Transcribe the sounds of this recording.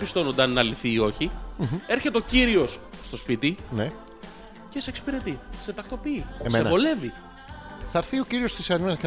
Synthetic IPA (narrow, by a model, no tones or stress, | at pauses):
pist̪o̞nond̪ɐnːɐliθiːo̞çie̞ɾçe̞t̪eo̞ciɾio̞sːt̪o̞spit̪ine̞ | ce̞seksi̥piɾe̞t̪ise̞t̪ɐkt̪o̞piːemseenɐo̞le̞vi | θɐɾθio̞ciɾio̞st̪isɐninɐk